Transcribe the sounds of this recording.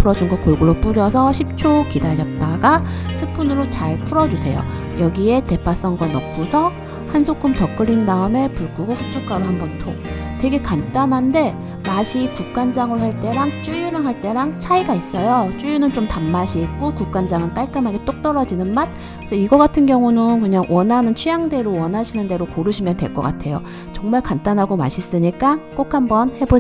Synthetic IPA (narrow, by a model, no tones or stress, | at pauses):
pʰɯɾʌd͡ʑuŋɡʌkoɭɡuɾop͈uɾjʌsʰʌɕʰip̚t͡ɕʰokidaɾjʌt̚t͈aɡasʰɯpʰunɯɾot͡ɕaɭpʰuɾʌd͡ʑusʰe̞jo̰ | jʌɡie̞te̞pʰas͈ʌŋɡanʌp͈usʰʌ | hansʰokʰumtʌk͈ɯɾindaɯme̞puɭɡuɡoɸut͡ɕ͈uɭk͈aɾohambʌntʰoŋtwe̞ɡe̞kant͈anɦande̞ | maɕʰikuk̚k͈and͡ʑaŋɯɾohaɭt͈e̞ɾaŋt͡ɕ͈ujuɾɯɭɦaɭt͈e̞ɾaŋt͡ɕʰaiɡais͈ʌjot͡ɕ͈ujunɯnt͡ɕomtamːaɕʰik͈okuk͈and͡ʑaŋɯnk͈aɭk͈ɯmɦaɡe̞t͈ok̚t͈ʌɾʌd͡ʑinɯnmat̚ | ksʰʌiɡʌɡatʰɯnɡjʌŋunɯnkɯɲaŋwʌnɦanɯnt͡ɕʰijaŋde̞ɾowʌnɦaɕʰinɯnde̞ɾokoɾɯɕʰimjʌnde̞ɭk͈ʌk͈a̰tʰe̞jo | t͡ɕʌŋmaɭkant͈anɦaɡoma̰ɕʰis͈ɯɲik͈ak͈okʰhambʌnhe̞bo